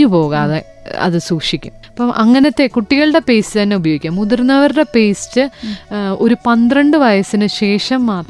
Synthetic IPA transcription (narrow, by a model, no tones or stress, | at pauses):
upo̞ːɣaðe | ɐ̰ðɨsuːkʂikʲːumɐpːɐmʔɐŋːɐnɐt̪ːe̞kuʈːiɣɐɭɨɽe̞pe̞ːstɨt̪ɐnːe̞ubɐjoːɡikʲːamuðurnːɐʋɐɾɨɽe̞peːstːɨ | o̞ɾupɐnd̪rɐɳɖɨʋɐjɐsinɨɕe̞ːʂɐmːaːt̪